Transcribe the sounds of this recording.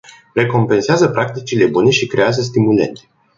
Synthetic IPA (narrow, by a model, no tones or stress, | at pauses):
re̞ko̞mpe̞nseazəpɾak̚t̪it͡ʃile̞bune̞ʃikɾe̞azəs̬t̪imule̞̰nt̪e̥